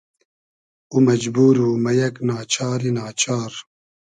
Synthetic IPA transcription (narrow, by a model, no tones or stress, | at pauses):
uːmɛd͡ʒbuːɾuːmɛjɛknaːt͡ʃʰaːɾiːnaːt͡ʃʰaːɾ